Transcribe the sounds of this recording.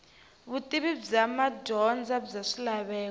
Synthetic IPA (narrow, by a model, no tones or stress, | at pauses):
βutʼiβib͡ʐamadɔnd͡zab͡ʐaʂilaβɛː